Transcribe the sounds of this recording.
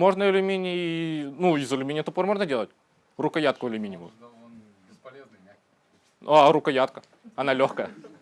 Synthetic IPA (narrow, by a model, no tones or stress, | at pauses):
mo̞ʐnəɪlʲɪmʲenʲɪjinuɪzɪlʲɪmʲenʲɪjət̪əpormo̞ʐnədʲelˠətʲ | rukəjat̪̚kʊlʲɪmʲinʲɪmṵm | aɾukəjat̪̚kə | ɐnalʲoxkəjə